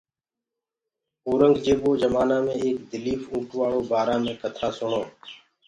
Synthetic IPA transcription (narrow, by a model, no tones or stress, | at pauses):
oːɾəŋɡd͡ʒeːɓoːd͡ʒəmaːnaːmẽːeːk̚d̪ɪliːfũːʈʋaːɭoːbaːɾãːmẽːkət̪ʰaːsʊɳoː